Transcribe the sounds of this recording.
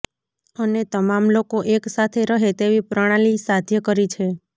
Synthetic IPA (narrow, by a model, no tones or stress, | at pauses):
ənet̪əmamlokoʔeksat̪ʰeɾəɦet̪eʋipɾəɽ̃ãlisad̪ʱjəkəɾit͡ʃʰe